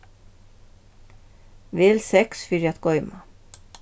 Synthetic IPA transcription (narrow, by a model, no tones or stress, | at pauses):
ʋeːlsɛksfʏɾjɑt̪ɡɔʏmɑ